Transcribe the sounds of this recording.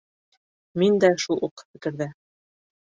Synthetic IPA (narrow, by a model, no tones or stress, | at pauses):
mind̪æʃulˠʔuqːɤ̥fɘ̆kɘ̆ɾðæ